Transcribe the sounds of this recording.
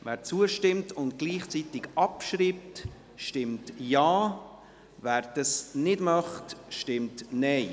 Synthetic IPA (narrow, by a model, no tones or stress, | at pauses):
væːɾt͡suəʃtɪmtʊndɡ̥liːχt͡sitɪɡɑpʃɾiːp̚t | ʃtɪmtjaː | væːɾd̥ɑsnɪdmɑχtʃtɪmtnɛɪ